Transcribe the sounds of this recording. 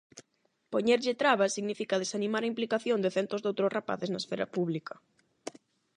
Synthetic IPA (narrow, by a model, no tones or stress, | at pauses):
poɲeɾʎɪt̪ɾaβasiɣnifikað̞esanimaɾaimplikaθjond̪eθɛnt̪ozðowt̪ɾosrapa̰θeznaesfɛɾa̰puβlikɐ̥